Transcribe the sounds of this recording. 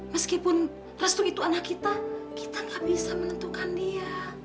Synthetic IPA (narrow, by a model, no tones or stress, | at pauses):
məskipʊn | rəst̪uit̪uanakːit̪aki̥t̪aŋɡabisamənənt̪ukandia